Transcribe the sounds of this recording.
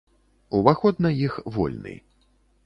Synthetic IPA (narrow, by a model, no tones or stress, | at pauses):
uvaxɔd̪nɐjixvɔ̰lʲnɨ̰j